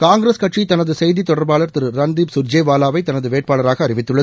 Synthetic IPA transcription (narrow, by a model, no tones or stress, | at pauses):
kaːŋɡɾeːskɐʈʂit̪ɐnɐðɯsɛjðit̪ɔɽɐɾbaːɭɐɾt̪ɪɾɯːɐnd̪iːbsʊɾd͡ʒeːʋaːlaːʋɐɪt̪ɐnɐðɯʋeːʈ̚paːɭɐɾaːɣɐːɾɪʋɪt̪ːɯɭːɐ